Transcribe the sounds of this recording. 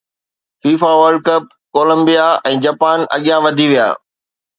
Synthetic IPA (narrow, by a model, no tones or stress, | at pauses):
fiːfaʋəɾɖ̚kɐp̚koːlə̃mbijaɛ̃ːd͡ʑaːpaːnɐ̰ɠijãʋɐd̪ʱiʋija̰ː